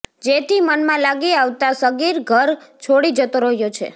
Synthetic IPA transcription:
d͡ʒet̪ʰimənmãlaɡiaʋt̪asəɡiɾɡʱəɾt͡ʃʰoɽid͡ʒət̪oɾəɦjot͡ʃʰḛ

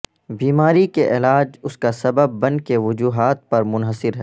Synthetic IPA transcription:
biːmaːɾikeʔɪːlaːd͡ʒʊskasɐbəbːɐ̃n̚keʋʊd͡ʒuːɦaːt̪̚pɐɾmʊnɦəsɪɾɦɛː

